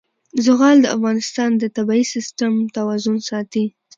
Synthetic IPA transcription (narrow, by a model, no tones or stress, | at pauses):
zʊɣɑld̪əa̰fɣɑnɪst̪ɑnd̪ət̪abɑisɪst̪amt̪awazʊnsɑt̪i